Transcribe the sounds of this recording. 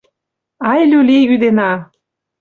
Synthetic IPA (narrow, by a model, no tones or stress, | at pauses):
ɑjlʲulʲeɣyd̪enɑ